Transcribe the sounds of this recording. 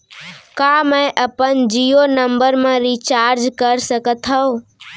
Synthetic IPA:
kamə̃ʔəpənd͡ʒionəmbəɾmẽɾit͡ʃaːɾd͡ʒkəɾsəkət̪ɦə̃

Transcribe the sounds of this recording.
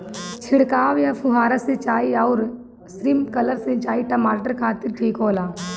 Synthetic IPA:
t͡ʃʰɪɽkaːʋjapʰʊɦaːɾaset͡ʃaːiɐʊɾ | sɾɪmkɐləɾsẽt͡ʃaːiʈɐmaːʈəɾkʰaːt̪ɪɾʈʰiːkoːlaː

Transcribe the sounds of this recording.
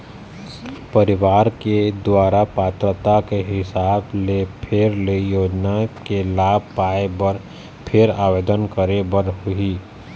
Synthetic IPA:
pəɾɪʋaːɾked̪waːɾapaːt̪ɾət̪akeɦɪsaːblepʰeɾleijoːd͡ʒnakelaːb̚ʱpaːebəɾ | pʰɪɾaːʋeːd̪ənkəɾebəɾɦʊi

